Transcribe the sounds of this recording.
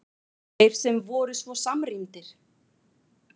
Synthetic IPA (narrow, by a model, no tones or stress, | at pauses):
ejɾ̥sɛmvɔːɾʏsvɔsamrint̪ɪɾ̥